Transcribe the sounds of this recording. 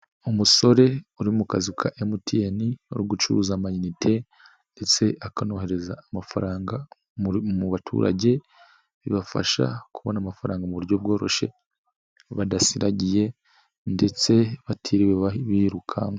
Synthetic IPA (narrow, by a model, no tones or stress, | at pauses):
umuso̞ɾe̞uɾimukazikʰaʔemutʰieniuɾuɡut͡ʃuɾuzamaɲinitʰe̞ | ndet͡se̞ʔakano̞ɦe̞ɾe̞zaːmafaɾaːŋɡa | muβatʰṵɾa̰ɟe̞ | βḭβafa̰ʃa̰kuβonamafaɾaːŋɡamuβuɾɟo̞b̚ɡo̞ːɾo̞ʃe̞̰ | βadasiɾaɟije̞ | nde̞t͡se̞βatʰiɾiweiβiːɾukʰaŋɡo